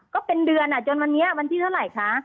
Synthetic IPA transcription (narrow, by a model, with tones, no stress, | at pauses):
kɔː˥˩pe˧ndɯ˧ənʔa˨˩t͡ɕo˧nwa˧nːi˦˥ɐ˥wa˧nt̪ʰiː˧˩t̪ʰa˥˩wla˨˩jkʰa˦˥